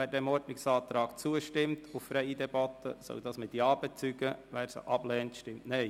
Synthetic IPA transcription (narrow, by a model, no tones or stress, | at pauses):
ʋæːɾdɛmɔɾtnɪksɑːt̪ɾɑːɡt͡suəʃtɪmtʰuffɾɛɪəd̪ɛbɑt̪ə̰sœ̰ʊd̥̪ɑːsmɪt̚diɑːbɛt͡syɡəʋæːɾsə̰ʔɑb̥lɛːntʃtɪmtnɛɪ